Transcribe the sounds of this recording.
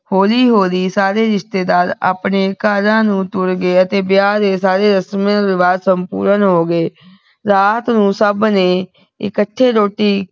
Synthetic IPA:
hoːliːɦoːliːsaːɾeːɾɪʃt̪eːd̪aːɾa̰ːpɳeːkaːd͡ʒãːnũːt̪ʊɾɡeːət̪eːbjaːd̪eːsaːɾeːɾəsmãːɾɪʋaːd̪səmpṵːɾənɦoːɡeː | ɾaːt̪nũːsəbneː | ɪ̰kəʈʰːeːɾoːʈiː

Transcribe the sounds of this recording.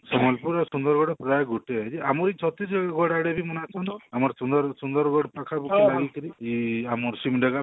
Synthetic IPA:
sɔmɔlpuɾɔsund̪ɔɾɡɔɽɔpɾajɡʱuʈead͡ʒiamɔɾit͡ʃʰɔt̪isɔɡaɡɔɽaɽebʱimɔnat͡ʃʰɔnamɔɾsund̪ɔɾsund̪ɔɾɡɔɽpakʰabukilaɡikɔɾiiamɔɾsimɖaɡa

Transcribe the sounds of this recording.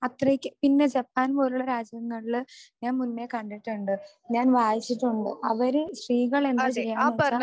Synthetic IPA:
ɐt̪rɐkʲːɨpinːe̞d͡ʑɐpːaːnpo̞ːɾuɭɐɾaːd͡ʑjɐŋːɐɭilɨɲaːnmunːe̞kɐɳɖiʈːuɳɖɨ | ɲaːnʋaːjit͡ɕːiʈːuɳɖɨ̰ʔɐʋɐɾɨɕriːɣɐɭe̞nd̪ɨt͡ɕejːaːnɐa

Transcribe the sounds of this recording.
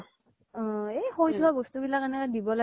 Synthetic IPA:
ɔ̃ejxojtʰʊaɡostubilakenɛkɔdibɔla

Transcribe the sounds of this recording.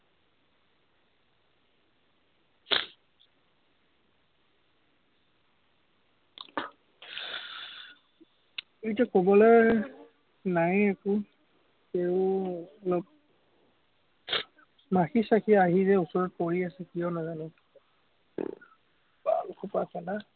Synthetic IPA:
etiakɔbɔlɛɹ | najekʊ | keʊɔlɔp̚ | maxisakʰiaɦizɛusɔɹɔt̚poɹiasɛkijɔnazanɛ | ba̰lkʰupakɛna

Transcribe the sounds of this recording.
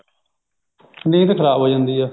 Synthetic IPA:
nĩːt̪ekʰəɾaːbɦoːd͡ʒãːnd̪iːaː

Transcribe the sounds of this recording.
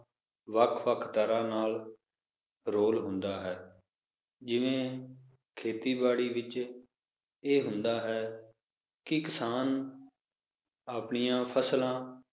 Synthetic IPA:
ʋəkʰʋəkʰt̪əɾãːnaːl | ɾoːlɦʊ̃nd̪aːɦɛː | d͡ʒɪʋẽː | kʰeːt̪iːbaːɽiːʋɪt͡ʃ | eːɦʊnd̪aːɦɛː | kɪkɪsaːn | aːpɳijãːpʰəslãː

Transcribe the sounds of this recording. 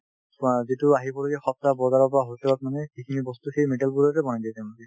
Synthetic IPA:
zituaɦibɔloɡɛxɔp̚tabɔɡaɹɔpɔɹaɦojsʰɛlɔt̚manɛkikʰinibɔst̪uxejmeʈalbuɹɔtɛbɔnajdajtɛmakɛ

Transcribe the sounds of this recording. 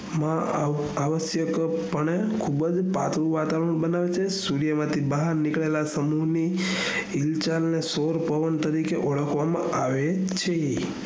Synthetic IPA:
mã | aʋəsjəkpəɳekʰubd͡ʒpat̪ɾũʋat̪aʋəɾəɽ̃bənaʋet͡ʃʰesuɾjəmãt̪ʰibəɦaɾnikɭelasəmuɦni | ilt͡ʃalnesoɾpəʋənt̪əɾikeʔɔɭəkʰʋamã̰ʔaʋet͡ʃʰe

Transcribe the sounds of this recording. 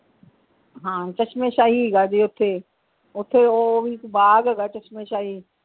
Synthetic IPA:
ɦãːt͡ʃɐt͡ʃmeʃaːɦiɡadiʊt̪ʰe | ʊt̪ʰːeoʋikbaːɡɡat͡ʃɐt͡ʃmeʃaːɦi

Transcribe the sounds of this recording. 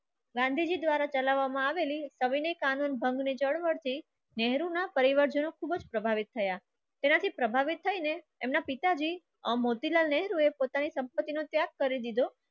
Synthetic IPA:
ɡãnd̪ʱid͡ʒid̪ʋaɾat͡ʃəlaʋːamãaʋelisəʋinekanunbʱəŋɡnid͡ʒəɽʋəɽt̪ʰi | nɛɦɾunapəɾiʋəɾd͡ʒənokʰubd͡ʒpɾəbʱaʋit̪ʰːəja | t̪enat̪ʰipɾəbʱaʋit̪ʰːəineː | mnapit̪ad͡ʒi | əmot̪ilalnɛɦɾuepot̪anisəmpət̪ːinot̪jaɡ̚kːəɾid̪id̪o

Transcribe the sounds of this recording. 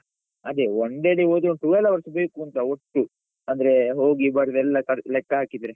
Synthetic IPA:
ɐd̪eoɳɖeɽioːd̪uʈuʋɛlːɐʋɐɾʂɐbeːkuːnt̪ɐoʈːu | ɐnd̪ɐɾeɦo̞ːɡibɐɾɐd̪ɛlːɐkɐɽlɛkːɐaːkid̪ɐɾe

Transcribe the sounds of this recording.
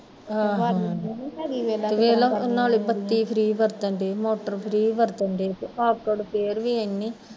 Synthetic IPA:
aɦ | lʋeːlɐnːaːɭibɐt̪ːipʰɾiːbɐɾt̪ɐɳɖemoːʈːɐɾpʰɾiːbɐɾt̪ɐɳɖepuaːp̚ʈoːɖupeːɾʋiɐnːi

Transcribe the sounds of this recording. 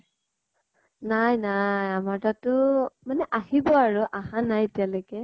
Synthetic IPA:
najnajamaɹtatʊmanɛʔaɦibɔaɹʊʔahãnajetijalekɛ

